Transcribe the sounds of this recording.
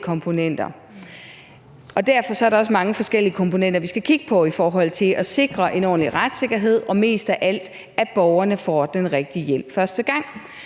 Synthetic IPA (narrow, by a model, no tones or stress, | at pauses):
kʰɒ̽mpʰo̝nen̰d̥ɐ | ɒ̽d̥æɐ̰fɒ̽sɒ̽æɐɾɑ̈ɒ̽s̬əmɑ̈ŋəfɒ̽sɡ̥el̰iəkʰɒ̽mpʰo̝nen̰d̥ɐʋisɡ̥ækʰiɡ̥əpʰɒ̽ifɒːɦɒ̽l̰t͡sʰe̝lʔɒse̝ɡ̥ʁɐʔe̝nɒ̰ːn̩liʁad̥se̝ɡ̥ɐɦe̝ð̞̰ˠɒ̽me̝̰ːsd̥æʔæl̰d̥ | æb̥ɒʊɐnəfɒ̰d̥enʁeɡ̥̚d̥iəjel̰̥fɶɐsd̥əɡ̥ɑ̈ŋ̰